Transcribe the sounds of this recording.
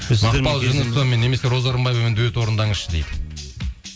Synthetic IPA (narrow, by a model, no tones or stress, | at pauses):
zɑpɑlˠʒɪnəst̪ome̞nːeme̞se̞ɾo̞zɑɾəmbɑjvɑme̞nd̪wøt̪wo̞ɾənd̪ɑɴəʃəd̪ejd̪ɪ